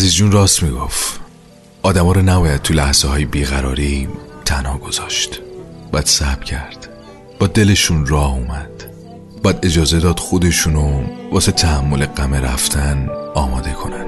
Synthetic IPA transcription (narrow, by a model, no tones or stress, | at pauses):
æzizd͡ʒuːnrɒːst̪miɡof | ʔɒːd̪æmɒːɾɔnæbɒːjæd̪̚t̪ʰulæhz̥ehɒːjebiːɣæɾɒ̰ːɾit̪ʰænhɒːɡ̥o̞z̥ɒːʃt̪bɒjæd̪̥sæb̥cʰæɾd̪̥ | b̥ɒːd̪e̞le̞ʃuːnrɒːhumæd̪̥ | bɒjæd̪e̞d͡ʒɒːze̞d̪ɒːd̪̥xo̞d̪e̞ʃuːnovɒːset̪ʰæhæmːo̞leɡæmeɾæ̰ft̪ʰænɒːmɒːd̪e̞kʰo̞nænd̪̥